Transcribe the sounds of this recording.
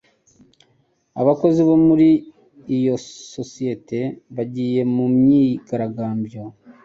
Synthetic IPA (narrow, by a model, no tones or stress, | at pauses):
a̰βako̞ziβo̞muɾiː | jo̞sosije̞te̞βaɟiːje̞mumɲiːɡaɾaɡaːmbjo